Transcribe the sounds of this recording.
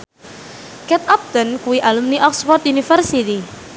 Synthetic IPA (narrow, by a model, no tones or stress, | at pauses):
kɛt̪̚ɔp̚d̪ənkuwiʔalumniʔɔkspɔrt̪unifərsit̪i